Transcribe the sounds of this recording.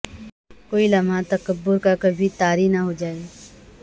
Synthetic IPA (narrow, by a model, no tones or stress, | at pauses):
koːilɐmãt̪ɐkəbːʊɾkakɐbʱit̪aːɾinaɦod͡ʒaːeː